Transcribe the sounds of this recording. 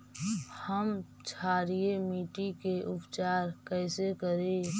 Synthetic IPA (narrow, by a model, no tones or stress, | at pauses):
həm | t͡ʃʰaːɾiemiːʈikeʔʊpt͡ʃaːɾkɛɪsekəɾe